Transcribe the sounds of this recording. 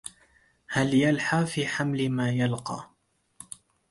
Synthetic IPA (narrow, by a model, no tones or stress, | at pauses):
haljalħaːfiːħamlɪmaːjalqɑ̰ː